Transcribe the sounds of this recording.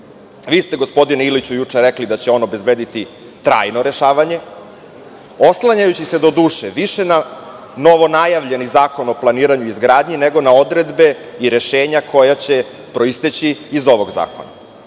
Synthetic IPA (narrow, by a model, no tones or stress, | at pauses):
ʋiːst̪eɡo̞spo̞d̪ineilit͡ɕujut͡ʂeɾeklid̪at͡ɕe̞o̞no̞be̞zbeːd̪it̪i | t̪ɾa̰ːjnoɾe̞ʃaːʋaɲe̞ | oslˠaɲajut͡ɕise̞d̪o̞d̪uːʃeʋiʃena | no̞ʋo̞najaʋʎe̞nizaːko̞no̞plˠaniːɾaɲuizɡɾaːd̪ɲine̞ɡo̞nao̞d̪ɾe̞d̪be̞iɾe̞ʃeːɲakʰo̞jat͡ɕe̞ | pɾo̞ist̪et͡ɕiizo̞ʋo̞ɡza̰ːko̞̰na̰